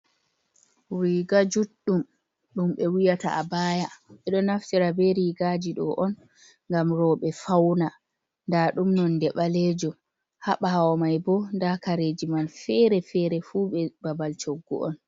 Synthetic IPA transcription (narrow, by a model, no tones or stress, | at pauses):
wiɡad͡ʒuɗːum | ɗumɓɛwijata̰abaːjaɓɛɗɔnaftiɾabɛɾiɡad͡ʒiɗɔʔɔn | ŋɡamɾɔɓɛfawna | ndaɗumnɔndɛɓalɛd͡ʒɔ | haɓahawɔmajbɔndakaɾed͡ʒimanfɛɾɛfɛɾɛfuɓɛbabalt͡ʃoɡːɔ̰ʔɔ̰n